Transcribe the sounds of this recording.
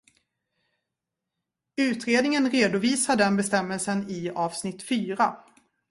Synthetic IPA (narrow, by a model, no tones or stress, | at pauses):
ʉ̟ːt̪ɾeːd̪nɪŋənɾeːd̪ʊviːsad̪ɛnbɛst̪ɛmːɛlsənɪɑːv̥snɪt̪ːfyːɾa